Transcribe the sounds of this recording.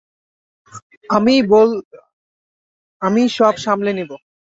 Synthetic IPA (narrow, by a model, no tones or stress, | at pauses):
amibol | amiʃɔbʃamlenibo